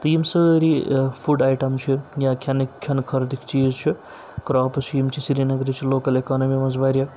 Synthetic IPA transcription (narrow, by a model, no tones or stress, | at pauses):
t̪ijmsɐɾipʰuɖaːjʈɐmt͡ʃʰijãːkʲʰjɐnikʰːɐnkʰɐɾd̪ikt͡ʃiːzt͡ʃʰu | kɾaːpt͡ʃʰiimt͡ʃʰisiɾinɐɡɾit͡ʃʰiloːkɐlekaːnɐmimɐzbaɾjɐ